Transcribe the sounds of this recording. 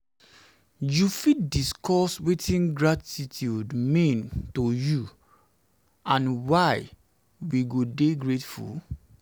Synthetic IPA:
jufit̚diskʰɔswetʰĩnɡɹatitʰjudmĩntoju | ãnwaɪ | wiɡodeɡɹetfṵl

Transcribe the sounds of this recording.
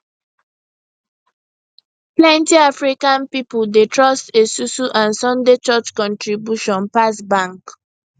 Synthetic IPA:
plɛ̃ntiafɹikãnpipudetɹɔstesusuʔãnsɔ̃ndet͡ʃɔt͡ʃkɔ̃ntɹibjuʃɔ̃npasbãŋk

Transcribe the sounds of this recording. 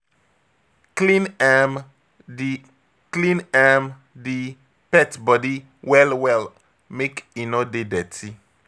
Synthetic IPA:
klĩnɛm | di | klĩnɛm | di | pɛtbɔdi | wɛlwɛl | mekinodedɛtʰi

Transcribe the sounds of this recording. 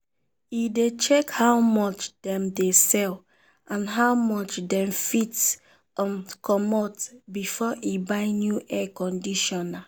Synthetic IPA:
idet͡ʃɛkhaʊmɔt͡ʃdɛ̃mdesɛl | ʔãnɦawmɔt͡ʃdɛ̃mfits | ɔkʰɔmɔtbifɔʔibaɪnjuʔɛkɔ̃ndiʃɔna

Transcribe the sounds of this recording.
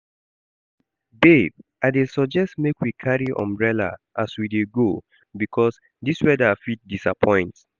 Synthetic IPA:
beb | aɪdesɔd͡ʒɛstmekwikʰaɹiʔɔ̰̃mbɹɛla̰ʔaswideɡo | bikʰɔs | diswɛdafit̚disa̰pʰɔ̃ɪ̃nt

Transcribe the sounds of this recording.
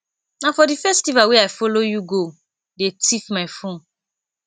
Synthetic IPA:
nãfɔdifɛstivawiafolojuɡo | detʰifmãjfõn

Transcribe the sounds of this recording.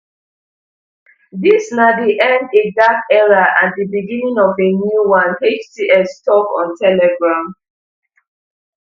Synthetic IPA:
ðisnadiʔɛ̃ndedakɛɹaʔat̚dibiɡĩnĩŋɔvenjuwãnet͡ʃtiʔɛstʰɔkɔ̰̃ntʰɛlɛɡɹãm

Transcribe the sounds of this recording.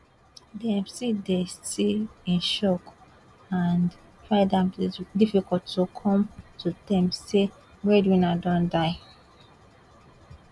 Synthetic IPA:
dɛ̃mstidestilĩnʃɔk | and | fãdãmdifikɔlttokʰɔ̃mtʰudɛ̃mse | wɛdwĩnadɔ̃ndaɪ

